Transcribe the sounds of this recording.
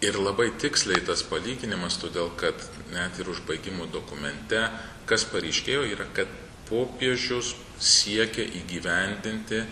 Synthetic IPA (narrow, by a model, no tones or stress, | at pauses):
ɪɾlˠɐbɐɪt̪ʲɪksʲlʲɛɪt̪ɐspɐlʲiːɡʲɪnʲɪmɐst̪oːd̪ʲeːlˠkɐt̪ | nʲɛt̪ɪɾʊʒbɐɪɡʲɪmoːd̪oːkʊmʲɛnʲt̪ʲɛ | kɐspɐɾʲɛɪʃʲkʲeːjoːiːɾɐkɐt̪ | poːpʲiɛʒʲʊs | sʲiɛkʲɛʔiːɡʲiːʋʲɛnʲd̪ʲɪnʲt̪ʲɪ